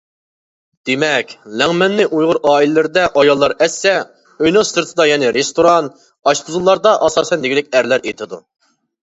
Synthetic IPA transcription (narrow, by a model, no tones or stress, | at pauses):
d̪̥emɛkʲlɛŋmɛnːɪʔujʁʊɾɑːilɪlɪɾɪd̪ɛʔɑjɑlˠːɑɾɛsːɛ | øjnosɨɾt̪ʰɨd̪ɑjɛnɪɾest̪oɾɑn | ɑʃt̪uzulˠːɑɾd̪ɑʔɑsɑːsɛnd̪ɪɡʲilɪkʲæɾlæɾet̪ʰɪd̪u